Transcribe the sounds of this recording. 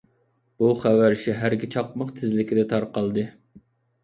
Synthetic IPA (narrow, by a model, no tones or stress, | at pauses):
b̥uχæwæɾʃiɦæɾɡʲit͡ʃʰɑq̚mɑqt̪ʰɪzlɪkʲɪd̪ɛt̪ʰɑɾqɑlˠd̪ɨ